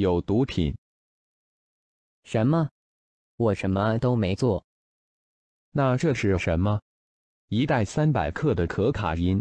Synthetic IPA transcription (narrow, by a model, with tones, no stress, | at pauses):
jo˨˩ʊt̪u˧˥pʰḭ˨˩˦n | ʂə˧˥nmə˧ | wɔ˨˩ʂə˧˥nmə˧t̪o˥ʊme˧˥ɪt͡swɔ˥˩ | na˥˧ʈ͡ʂɤ˥˧ʂɻ̩˥˩ʂə˧˥nmə˧ | i˧˥t̪a˥˩ɪsa˥npa˨˩ɪkʰɤ˥˩d̪ə˩kʰɤ˧˥kʰa̰˨˩i˥n